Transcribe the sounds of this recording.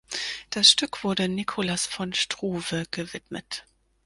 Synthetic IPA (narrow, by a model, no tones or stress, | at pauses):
d̥asʃtʏkv̥ʊɐdənikʰʊlasfɔnʃtʁ̥uːvəɡ̥əvɪtmə̰t